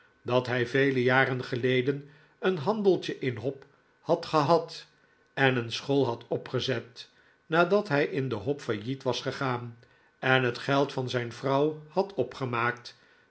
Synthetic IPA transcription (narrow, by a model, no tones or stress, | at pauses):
dɑtɦɛjvejləjaːrənχəlejdən | ənɦɑndəlˠtəʔɪnɦɔp | hɑtχəɦɑt | ɛnənsχolˠɦɑtɔpχəzɛt | naːdɑtɦɛjʔɪndəɦɔpfajitʋɑsχəχaːn | ɛnɦətχɛlˠtfɑnzɛjnvrɑwhɑtʰɔpχəmaːkt